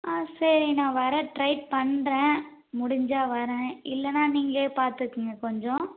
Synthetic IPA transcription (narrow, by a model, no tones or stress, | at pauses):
aːsɐɾinãːʋɐɾɛ̃ʈɾɐɪʈ̚pɐɳːɾɛ̃ː | mʊɽɪɲd͡ʒaːʋɐɾɛ̃ːɪlːɛnːaːniːŋɡɐeːpaːɾt̪ɯkːɯŋɡɐkɔɲd͡ʒɔ̃